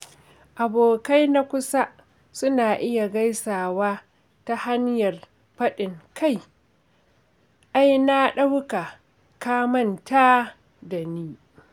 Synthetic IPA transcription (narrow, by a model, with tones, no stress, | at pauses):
ʔa˨boː˨ka˦jna˦kʷʊ˦sa˦ | sʊ˦naː˨ʔɪ˦ja˨ɡa˦jsaː˨waː˦ | ta˦ha˦njɐ˨r | ɸɐ˦ɗɪ˨ŋkʰa˦˨j | ʔa˦jna˦ɗa˦wka˨ | kaː˦mɐ˦nta˦ | da˨niː˦